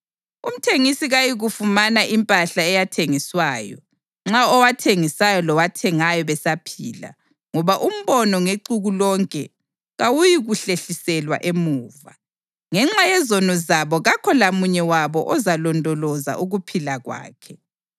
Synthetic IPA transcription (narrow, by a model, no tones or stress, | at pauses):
um̩tʰeŋisiɣajiɣufumanaʔimpʼaɬaɛjatʰeŋiswaːjɔ̰ | ŋ͡ǁaɔwatʰeŋisajɔlɔwatʰɛŋajɔβɛsapʰḭːla̰ | ŋɔβaʔum̩βɔnɔŋeǀuɣulɔŋkʼɛ | ɣawujiɣuɬeɬisɛlwa̰ʔemuːva | ŋɛŋ͡ǁajɛzɔnɔzaβɔɣakʰɔlamuɲɛwaβɔʔɔzalɔndʱɔlɔza̰ʔuɣupʰilaɣwa̰ːkʰɛ